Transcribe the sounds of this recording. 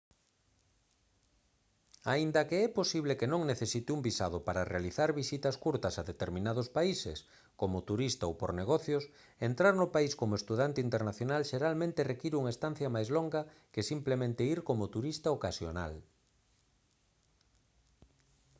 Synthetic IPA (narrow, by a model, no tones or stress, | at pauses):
aind̪ɐkeɛposiβlekenõŋneθesit̪ɪumbisa̰ð̞ʊpaɾarealiθaɾβisit̪ɐskuɾt̪ɐsaðet̪eɾmĩnað̞ospaisḛs | komʊt̪uɾist̪aowpoɾneɣ̞ɔθjos | ent̪ɾaɾnʊpaiskomoest̪uðant̪eint̪eɾnaθjonalʃeɾalmẽnt̪erekiɾuŋaest̪an̟θjɐmajzloŋɡɐkesimplemẽnt̪eiɾkomot̪uɾist̪aokasjo̰na̰l